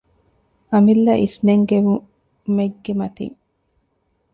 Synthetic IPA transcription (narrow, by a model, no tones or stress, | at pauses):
ʔɐmilːɐʔisneŋɡemu | meɡːemɐt̪ḭŋ